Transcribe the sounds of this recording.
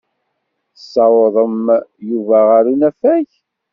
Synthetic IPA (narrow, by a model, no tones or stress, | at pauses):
sːɑwðˤəmjuvæʁaɾunæfæç